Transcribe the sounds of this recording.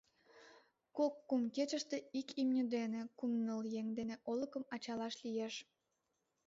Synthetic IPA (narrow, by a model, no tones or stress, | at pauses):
kokːumket͡ɕəʃt̪eikimnʲyd̪enekumnəljeŋd̪eneʔoləkəmɑt͡ɕɑlɑʃlijeʃ